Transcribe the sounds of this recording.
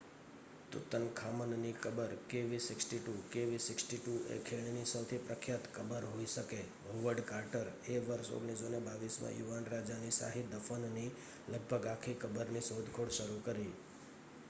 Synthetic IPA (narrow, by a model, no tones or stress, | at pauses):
t̪ṵt̪ənkʰamənnikəbəɾkeʋisɪksʈiʈukeʋisɪksʈiʈuḛkʰeɳ̃inisəwt̪ʰipɾəkʰjat̪kəbəɾɦoiʃəke | oʋəɾɖkaɾʈəɾeʋəɾʃo̰ɡɽ̃isonebaʋismã̰juʋanɾad͡ʒanisa̰ɦid̪əfənni | ləɡ̚bʱəɡakʰikəbəɾnisod̪ʱkʰoɽʃəɾukəɾi